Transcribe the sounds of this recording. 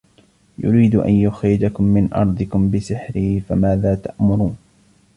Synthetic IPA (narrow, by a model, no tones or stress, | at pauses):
jʊ̰ɾiːd̪ʔa̰njʊxɾɪd͡ʒakʊmːɪnʔɑ̰ɾˤd̪ˤɨkʊmbɪsɪħɾɪfamaːðaːt̪aʔmʊɾˤuːn